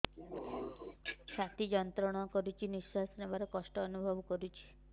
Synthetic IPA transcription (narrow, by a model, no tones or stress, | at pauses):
sat̪id͡ʒɔnt̪ɾɔɽ̃ɔkɔɾut͡ʃʰiniswasɔnebaɾɔkɔsʈɔːnubʱɔbɔkɔɾut͡ʃʰi̥